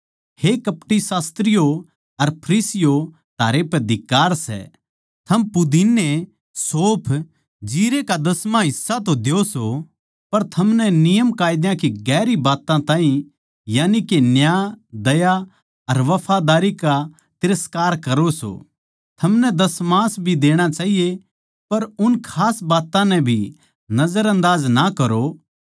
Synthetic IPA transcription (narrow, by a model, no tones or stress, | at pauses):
hekɐpʈisaːst̪ɾɪjo | ɐɾpʰɐɾiːsɪjo | t̪aːɾepɛd̪ɪkːaːɾsɛ̰ | t̪ʰɐmpʊd̪inːe | soːpʰ | d͡ʒiːɾekad̪ɐsmãɦɪsːat̪̬õd̪eoso | pɐɾt̪ʰɐmnɛnɪjəmkaːjɪd̪jãkiɡɛːɾibaːt̪ãt̪ãːɦĩ | jaːnikenjaːd̪ɐja | ɐɾʋɐpʰad̪aːɾika | t̪ɪɾəskaːɾkɐɾoso̰ː | t̪ʰɐmnɛd̪ɐsmãːsbʱid̪eːɽ̃at͡ʃaːɦije | pɐɾʊnkʰaːsbaːt̪ãnɛ̃bʱi | nɐzəɾɐ̃nd̪aːznakɐɾo